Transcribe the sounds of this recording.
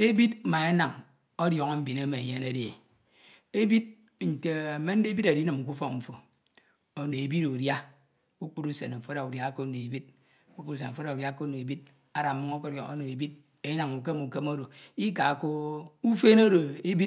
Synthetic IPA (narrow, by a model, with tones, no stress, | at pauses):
e˦bi˦t̩̚˦ma˨e˦na˨ŋ | ɔ˦djɔ˨ŋo˦m̩˦bi˨ne˦me˨e˨ɲe˦ne˦de˨ | e˦bi˦d̚ | n̩˨te˨a˨me˦n̩˦de˦bi˦ɾa˨di˦nɨ˨m̩˨ku˦fɔ˦kɱ̩˨fo˨ | o˨no˨e˨bi˦ɾu˨dja˦ | u˦k͡pu˦ɾu˦sḛ˨n̩˨fo˦a˨u˨dja˦ko˦no˨e˨bi˦d̚ | ku˦ku˦ɾu˦s̬e˨n̩˨fo˦ɾa˨u˨ɾja˦ko˦no˨e˨bi˦d̚ | a˦ɾa˨mu˦ŋo˦ko˦ɔ̰˨ŋo̰˦no˨e˨bi˦t̚ | e˦na˨ŋu˨ke˦mu˨ke˦mo˦ɾo˨i˦ka˨ko˦u˦fe˦no˦ɾo˨e˦bi˦